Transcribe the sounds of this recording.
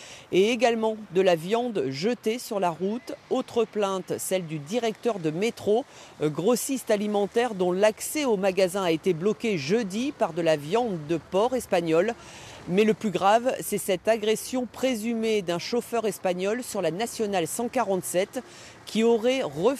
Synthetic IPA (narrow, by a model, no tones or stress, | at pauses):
eeɡalmɑ̃d̪əlavjɑ̃d̪ʒət̪esyʁlaʁut̪ot̪χəplɛ̃t̪sɛld̪yd̪iʁɛk̚t̪œʁd̪əmet̪χoɡʁɔsist̪alimɑ̃t̪ɛʁd̪ɔ̃laksɛomaɡazɛ̃aet̪eblɔkʲeʒød̪ipaʁd̪əlavjɑ̃d̪ːəpɔʁɛspaɲɔl | mɛləplyɡʁavsɛsɛt̪aɡʁesjɔ̃pχezymed̪ɛ̃ʃofœʁɛspaɲɔlsyʁlanasjɔnalsɑ̃kaʁɑ̃t̪sɛt̪ | kʲʰiɔʁɛʁə